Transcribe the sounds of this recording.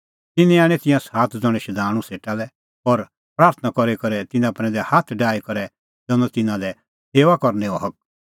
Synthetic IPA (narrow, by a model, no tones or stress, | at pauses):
t̪ɪnĩaːɽ̃ɛ̃t̪ɪ̃jãsaːt̪ʰd͡zɔ̃ɽ̃ɛ̃ʃɐd̪ʱaːɽ̃ũseːʈalɛ | ɔɾ | pɾaːɾt̪ʰənakɔɾekɔɾɛt̪ɪnãpɾɛ̃d̪ɛhaːt̪ʰɖaːikɔɾɛ | d͡zɔ̃nɔ̃t̪ɪnãlɛ | seːʋakɔɾnɛ̃ɔɦɐk̚